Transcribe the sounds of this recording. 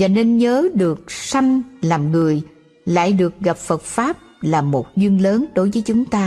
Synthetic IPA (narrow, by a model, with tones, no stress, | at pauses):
vaː˨˩ne˧nɲəː˨˦ɗɨ˨˩ək̚sa˧jŋ̟laː˨˩mŋɨ˨˩əj | la̰ː˧˨jɗɨ˨˩ək̚ɣa˨˩p̚fə˨˩t̚faː˦˥p̚laː˨˩mo˨˩t̚zwi˧əŋləː˨˦nɗo˨˦jvəː˨˦jt͡ɕʊ˨˦ŋ͡mt̪aː˧